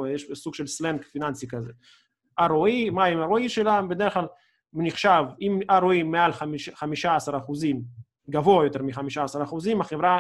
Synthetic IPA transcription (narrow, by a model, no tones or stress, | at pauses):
jeʃsuɡʃelslenkfinansikaze | ʔaʁoimaimaʁoiʃelambed̪eeχlal | niχʃavimaʁoimealχamiʃχamiʃaasaʁaχuzim | ɡavoajot̪e̞ʁmiχamiʃaːsaʁaχuzimaχevʁa